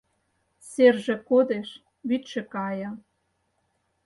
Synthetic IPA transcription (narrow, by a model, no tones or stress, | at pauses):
serʒĕkod̪eʃ | βyt̪ʃĕkɑjɤ̆